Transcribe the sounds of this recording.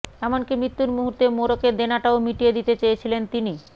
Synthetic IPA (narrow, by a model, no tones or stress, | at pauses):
ɛmonkimɾit̪ːuɾmuɦuɾt̪emoɾoked̪enaʈaomiʈijed̪it̪et͡ɕejet͡ɕʰilent̪ini